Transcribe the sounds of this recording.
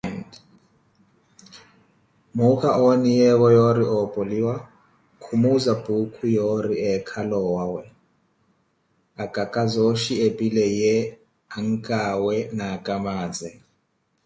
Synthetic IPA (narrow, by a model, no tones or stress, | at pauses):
nd | mukʰaonijɛwɔjoɾiʔɔpʼoliwa | kʰumuzab̥ukʰujɔɾiɛkʰalɔwawɛ | akʼakʼazoʃiepʼilɛjɛ | aŋ̩kʼawɛnakʼamaːd͡zɛ